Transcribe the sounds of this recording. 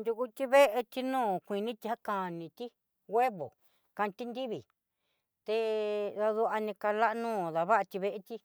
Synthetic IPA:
nd̪ʲu˧ku˧t̪ʲi˦βe˦ʔe˧t̪i˧nũː˦˨kʷi˧nĩ˦t̪i˧ha˦ka˧nĩ˧t̪i˦ | ɣʷe˦βo̰˨ | kã˧t̪i˦nd̪i˦βi˨ | t̪e˧ða˧ðu˧ʔa˧nĩ˧ka˧la˦ʔnũː˦˨ða˨βa˦a˧t̪i˧βe˧ʔe˧t̪i˦

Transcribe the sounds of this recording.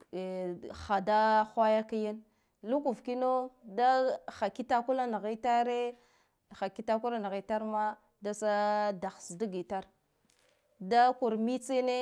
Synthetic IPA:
xa˨da˦xʷa˦ja˦ka˦ja˦n | lu˦ku˨vki˦no˦da˦xa˨ki˦ta˦ku˦la˦na˨ɣi˦ta˦ɾe˦˨ | xa˨ki˦ta˦ku˦ɾa˦na˨ɣi˨ta˦ɾma˦ | da˦sa˦da˨xsdu˦ɡi˨ta˦ɾ | da˦ku˨ɾmi˦t͡se˦ne˦

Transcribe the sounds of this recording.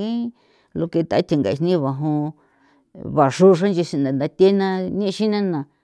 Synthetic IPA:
ĩ˦ | lo˧ke˧t̪a˨˦t̪ʰi˧˨ŋɡa˨˧ʂnĩ˦βa˨ɦõ˧ | βa˨ʂu˦˧ʂ̬ã˦nd͡ʒi˧sĩ˧nd̪a˨nd̪a˧t̪ʲe˦nã˧nĩ˦˧ʃi˦nã˦nã˨

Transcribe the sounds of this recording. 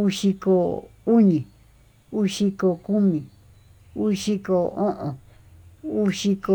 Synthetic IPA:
u˦ʂi˧ko˧˨u˦ɲĩ˨ | u˦ʂi˧ko˧ku˦mĩ˨ | u˦ʂi˦ko˧õ˦ʔõ˨ | u˦ʂi˧ko˧

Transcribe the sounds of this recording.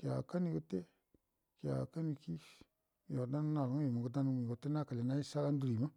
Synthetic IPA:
ki˨a˨ka˦ni˧ko˧te˦ | ki˨a̰˨ka˦ni˧ki˦ | jo˨da˦nu˦na˨lŋo˦jo˨mo˨ɡo˨da˦nu˦ɡo˧˨te˦na˦ka˨le˨na˦i˦sa˦ɡa˦n˦du˨ɾi˨ma˦

